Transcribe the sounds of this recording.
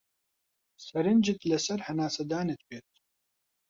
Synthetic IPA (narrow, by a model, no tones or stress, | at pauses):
sɐɾɨnd͡ʒɨt̪lɐsɐɾhɐnaːsɐd̪aːnet̪̚beːt̪̚